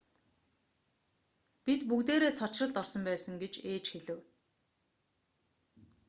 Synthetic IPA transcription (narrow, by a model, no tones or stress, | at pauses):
pit̪pukt̪eːɾeːt͡sʰɔt͡ɕrə̆ɮt̪ɔrsɞ̆mpæːsə̆ŋɡet͡ɕeːt͡ɕxeɮɘ̆w